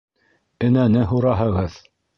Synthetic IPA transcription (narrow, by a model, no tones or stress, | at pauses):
ɘ̆nænɘɦuɾɑɦɤ̆ʁɤð